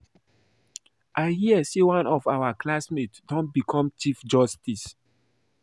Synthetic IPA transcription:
ʔaɪhiəsewãnɔfawaklasmetdɔ̃nt̚bikʰɔ̃mt͡ʃifd͡ʒɔstis

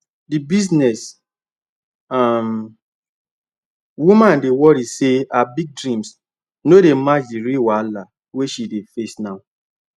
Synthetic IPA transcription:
dibiznɛs | am | wumãndewɔɾiseabiɡ̚dɹĩms | nodemad͡ʒdiɾiwala | weʃidefesnaʊ

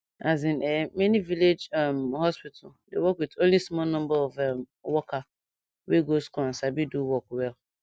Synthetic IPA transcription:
azĩnɛmenĩviled͡ʒamhɔspit̩ʰdewɔkwitolismɔ̃nɔ̃mbaɔvɛm | wɔka | weɡoskɔ̃nsabiduwɔkwɛl

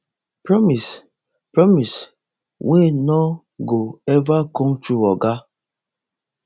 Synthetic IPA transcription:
pɹɔmis | pɹɔmis | wʔenɔ | ɡoɛvakɔ̃ŋtɾuɔɡa

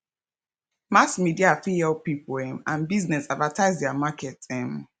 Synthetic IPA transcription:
masmidiafiɛlpipɛ̃mãnbiznɛsadvatʰaɪzdɛamakʰɛtɛ̃m

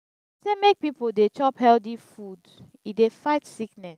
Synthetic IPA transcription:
semek̚pipodet͡ʃɔphɛldifud | idefaɪtsiknɛs

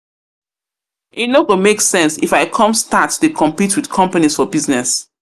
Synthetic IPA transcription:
ʔinokomeksɛ̃nsifaɪkʰɔ̃mstatːukʰɔ̃mpitʰwid̥kʰɔ̃mpanisfɔbiznɛs

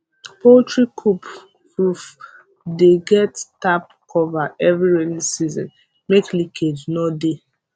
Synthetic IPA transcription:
poltɹikʰup | kɹuf | deɡɛttap̚ | kʰɔvaɛvɹiɹɛnisizɔ̰̃n | meklikʰednɔde

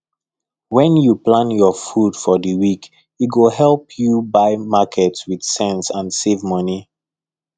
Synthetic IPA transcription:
wɛ̃njuplãnjɔfud̥fɔdəwik | itɡoɦɛlˠpʰjubaɪmakʰɛtswid̥sɛ̃nsãnsevmʌni

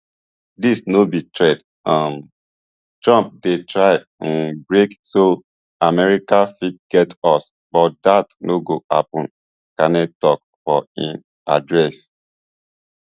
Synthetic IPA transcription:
disnobitɹɛd | am | tɹãmp̚detʰɹaɪ | ãnbɹekso | amɛɹikafit̚ɡ̥ɛtɔs | bɔt̚datnoɡoa̰pɔ̃n | kanɛtɔk | fɔĩn | adɹɛs

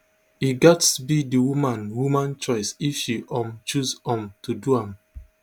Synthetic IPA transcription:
iɡɛtsbidiwumãnwumãnt͡ʃɔɪsifʃiʔɔ̃mt͡ʃuzɔ̃mtʰuduãm

